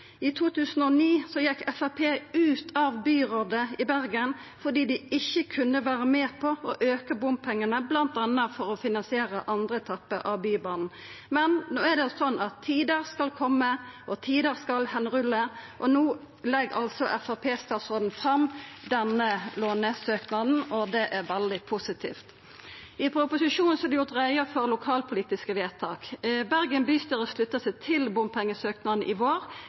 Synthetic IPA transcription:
ɪt̪ʰuːt̪ʰʉːsən̩ɔniːsɔjɛkːɛfɑpʰeːʉːt̪ʰɑʋbyːʁoːd̪əɪbæʁɡənfɔd̪iːd̪ɪɪçːəkʰʉnːəʋæːɾəmeːpʰɔɔʔøːkəbʊmpʰɛŋːənəblɑnt̪ɑnːəfɔɾɔfɪnɑnsɪeːʁəʔɑnd̪ɾəɛt̪ʰɑpːəʔɑʋbyːbɑːnn̩ | mɛnnoːæd̪ɛsɔnːɑt̪ʰːiːd̪əɾskɑlkʰɔmːəʔɔt̪ʰiːd̪əɾskɑlhɛnʁʉlːəʔɔnuː | lɛɡɑ̰lsɔʔɛfɑpʰeːst̪ɑːt̪sɔːd̪n̩fɾɑmd̪ɛnəloːnəsøːknɑd̪n̩ɔd̪ɛʔæʁʋɛld̪ɪpʰʊsɪt̪ʰḭːft̪ | ɪpʰɾʊpʊsɪʃuːn̩sɔɑd̪ɛjʊʁt̪ʁæɪəfɔʁlʊkʰɑːlpʰʊliːt̪ɪskəʋeːt̪ʰɑːkbæʁɡənbyst̪əʁɔslʉt̪ːəsæɪt̪ʰɪlbʊmpʰɛŋːəsøːknɑd̪nʔɪʋoːʁ

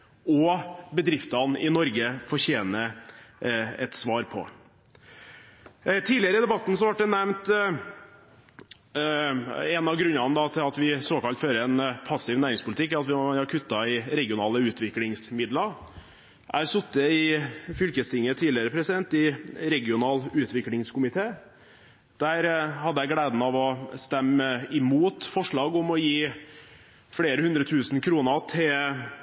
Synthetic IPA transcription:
ɔbəd̪ɾɪft̪ɑnɪ̰nɔɾɡəfɔɾçeːnə | ɛ̰t̪sʋɑːɾpʰɔ̰ | t̪ʰiːlɪəɾəɪd̪ɛbɑt̪ːn̩sɔʋɑʈ̚d̪ɛnɛmnt̪ | ɛnɑʋɡɾʉnːɑnd̪ɑt̪ʰɪlɑt̪ʋɪsoːkɑlt̪føːɾəɛnpʰɑsɪʋnæːɾɪŋspʰʊlɪt̪ɪkːæɾɑt̪ʋɪɑɑkʰʉt̪ːɑɪɾɛɡɪʊnɑːləʉːt̪ʋɪklɪŋsmɪd̪lɑ | ʔæɾsʉt̪ːəɪfʏlkəst̪ʰɪŋːət̪ʰiːlɪəɾəpʰɾɛsɪd̪ɛnt̪ɪɾɛɡɪʊnɑːlʉːt̪ʰʋɪklɪŋskʰʊmɪt̪ʰeː | d̪̥æːɾhɑd̪əæɪɡleːd̪n̩ɑʋɔst̪ɛmːɪmuːt̪fɔʂɭɑːɡɔmɔjiː | fɽeːɾəhʉnd̪ɾət̪ʰʉːsn̩kʰɾuːnət̪ʰɪl

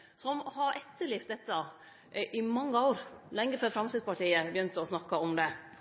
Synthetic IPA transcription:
sɔmhɑɾʔɛt̪ːəɭɪft̪̚d̪ɛt̪ːə | ʔʔɪmɑŋːəoːɾlɛŋːəføːɾfɾɑmsɪspɑʈiːəbjʏnt̪əɔsnɑkːɑɔmd̪ɛ

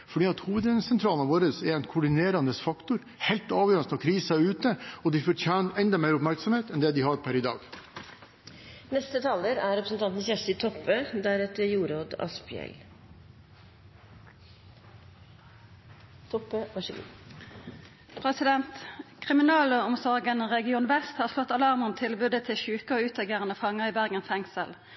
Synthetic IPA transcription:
fɔɖiːɑt̪huːʋəd̪ənsɛnt̪ʰɾɑːlnɑʋoːɾəsɛɾɛɪnkʰʊɖɪneːɾɑnəsfɑkt̪ʊɾ | hɛlt̪ɑːʋjøːɾnsɑkʰɾiːsæʉːt̪əɔd̪ɪfɔʈʰjæːnɛnd̪ɑmæɪɾʊpmæɾksɔmheːt̪ɛnd̪ɛd̪ɪhɑɾpʰæɾɪd̪ɑ̰ːɡ | nɛst̪ət̪ʰɑːləɾæɾɛpɾəsn̩t̪ɑnt̪n̩sjɛʂt̪ɪt̪ʰɔpːəd̪æɾɛt̪əɾjuːɾoːd̪ɑ̰spɪɛ̰l | t̪ʰɔpəʋɑʂḭ | pʰʁɛsɪd̪ɛnt̪kʰʁɪmɪnɑːləɔmsɔʁɡənʁɛɡɪuːnʋɛst̪hɑːʁslɔt̪ːɑlɑʁməʁɔmt̪ʰɪlbʉːd̪ət̪ʰɪlçʉːkəoːʉːt̪ɑɡeːʁənəfɑŋəiːbæʁɡənffɛŋsəl

